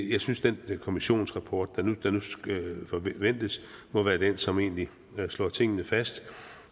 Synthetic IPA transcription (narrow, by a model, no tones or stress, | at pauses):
jɑ̈ɪsynsd̥enkʰo̝miɕo̝̰ːnsʁɑpʰɒːd̥ːænud̥ɑnusfɒʋen̰d̥əsmɒ̽ʋæːɐd̥en̰sɒ̽me̝̰ːnli | slɒ̰ːt͡sʰe̝ŋ̰ənəfæsd̥